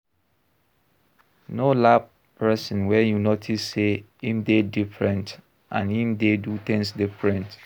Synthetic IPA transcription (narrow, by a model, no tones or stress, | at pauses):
nolab | pʰɛsɔ̃nwɛjunotʰisːe | ĩmdedifɹɛ̃nt | ʔã̰nĩmdedutɛ̃nsdifɹɛ̃nt